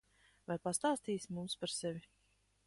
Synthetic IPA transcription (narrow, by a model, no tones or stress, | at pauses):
vajpast̪aːst̪iːsʲmumspaɾsɛvʲi